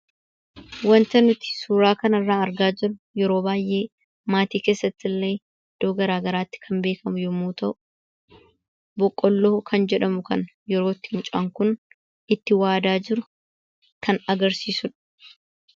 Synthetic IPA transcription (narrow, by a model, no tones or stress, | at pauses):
wɐnt̪ɐnʊt̪ɪ̥suːɾaːkɐnɐrːaːɐɾɡaːd͡ʒɪɾʊ | jɛɾo̞ːbaːjʔe̞ː | maːt̪iːke̞ːsːɐt̪ːɪlːe̞ː | d̪̥ːoːɡɐɾaːɡɐɾaːt̪ːɪ̥kʰɐmbeːkɐmʊjɔmuːt̪ɐʔʊ̥ | bɔkʼːɔlːoːkʰɐnd͡ʒɛᶑɐmʊkɐ̰n | jɛɾo̞ːt̪ːɪnt͡ʃʼɐŋkʊn | ɪt̪ːɪwaːd̪aːd͡ʒɪɾʊ | kʰɐnɐɡɐɾsiːsʊᶑɐ̥